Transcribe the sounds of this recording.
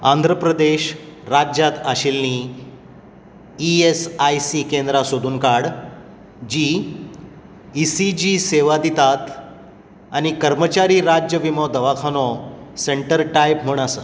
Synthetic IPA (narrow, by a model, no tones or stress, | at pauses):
and̪ʱɾəpɾəd̪eɕɾad͡ʑjat̪aɕilni | iesajsikend̪ɾasod̪uːnkaɽ | d͡ʑi | sid͡ʑiseʋad̪it̪at̪ | añikəɾmət͡ɕaɾiːɾad͡ʑjəʋimɔd̪əʋakʰanɔseɳʈəɾʈajp̚m̤əɽ̃asə